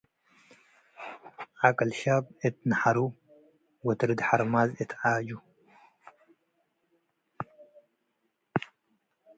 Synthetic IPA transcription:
ʕakʼɐlʃab̚ɨt̪̚naħaɾu | wɔt̪ɨɾɨd̪ħaɾmazɨt̪ʰʕad͡ʒu

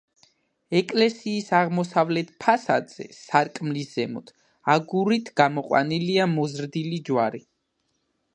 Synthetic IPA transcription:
ɛkʼlɛsiːsaʁmɔsavlɛt̪̚ʰpʰasa̰d̪z̥ɛ̰saɾkʼmlisz̥ɛmɔd̪̥ | aɡuɾit̪ʰɡ̥amɔqʼwa̰niliamɔzɾd̪ilid͡ʒwaɾi

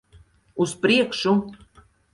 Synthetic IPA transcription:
uspɾʲiekʃu

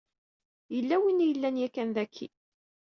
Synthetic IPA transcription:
jəlːæwinjəlːænjækːænðækʰːḭ

